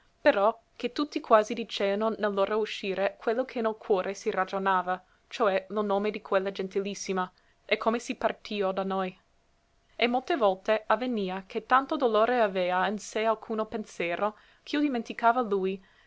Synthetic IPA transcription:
peɾɔ | ket̪ːut̪ːikwaːzid̪it͡ʃeːanonelːoːɾouʃiːɾekʰwelːokʰenelkʰwɔːɾʔesirad͡ʒonaːva | t͡ʃoɛlonoːmed̪ikʰwelːad͡ʒent̪ilisːima | ekʰːomesipart̪ʰiːod̪anoj | emolt̪evɔlt̪eavːeniːakʰet̪ːant̪od̪oloːɾeaveːainsealkʰuːnopensjeːɾo | k̟ʰiod̪iment̪ikaːvaluj

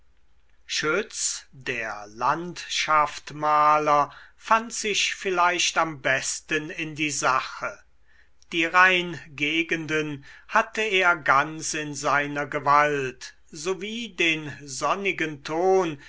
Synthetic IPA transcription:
ʃʏt͡sdeːɐlantʃaftmaːlɐfantz̥ɪʃfɪlaɪʃtambɛstənɪndiːzaχə | d̥iːʁaɪnɡeːɡəndənhatəeːɐɡansɪnzaɪnɐɡəvalt | zoviːdeːnzɔnɪɡəntʰoːn

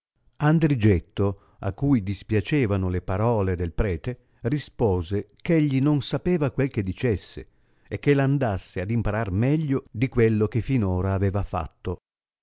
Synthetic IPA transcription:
and̪ɾid͡ʒet̪ːo | a̰kːujd̪ispjat͡ʃeːvanolepaɾɔːled̪elpɾɛːt̪e | rispoːzekeʎːinonsapeːvakwelk̟ed̪it͡ʃesːḛ | ekːeland̪asːead̪impaɾarmɛʎːod̪ikwelːok̟efːinoːɾaːveːvafa̰t̪ːo

